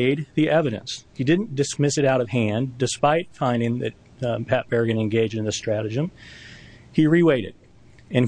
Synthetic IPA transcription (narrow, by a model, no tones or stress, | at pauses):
ɪd̪̚ðiʔɛvɨɾɨ̰̃nshidɪdⁿn̩d̥ɨsmɪsɨɾaʊɾʌv̥hæ̃ndɨspaɪtfãɪ̃ndɪ̃ŋðɨ̰t̚ | pʰæp̚b̥ɛɹɡɨ̃nɨ̃nɡeɪd͡ʒdɨ̃n̩ðɨstɹ̥æɾɨd͡ʒɨ̃m | iɹiweɪɾɨ̰d | ɨ̃n